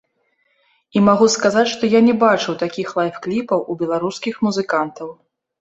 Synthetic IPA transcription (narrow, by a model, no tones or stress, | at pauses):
imaɣuskazat͡sʲʂt̪ɔjanʲɛbat͡ʂɨwt̪akʲixlˠajfklʲipɐwʔubʲɛlˠaɾuskʲixmuzɨkant̪ɐw